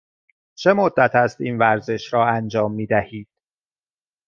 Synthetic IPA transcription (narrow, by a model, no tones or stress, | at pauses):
t͡ʃʰe̞mod̪ːæt̪ʰæst̪iːnvæɾze̞ʃɾɒːænd͡ʒɒːmːiːd̪æhiːd̪̥